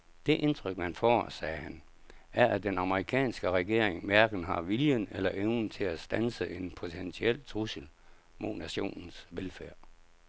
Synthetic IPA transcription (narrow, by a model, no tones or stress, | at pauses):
d̥e̝ʔe̝nt͡sʰʁœɡ̥mænfɒ̰ːsɛːhæn | æɐʔæd̥enɑ̈məʁikʰɛ̰ːnsɡ̥əʁɛɡ̥e̝ɐ̰eŋmæɐɡ̥n̩ɦɑ̈ʋiljənelɐʔeʊn̩t͡sʰe̝læsd̥ænsəʔe̝npʰo̝t͡sʰent͡sʰiel̰t͡sʰʁusl̩ | mo̝næɕo̝̰ːnn̩sʋelfæɐ̰